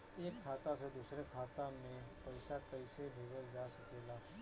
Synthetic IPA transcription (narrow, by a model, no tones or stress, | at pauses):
eːkʰːaːt̪ased̪usɾekʰaːt̪amẽpəɪsakəɪsebʱeːd͡ʒəld͡ʒasəkeːlaː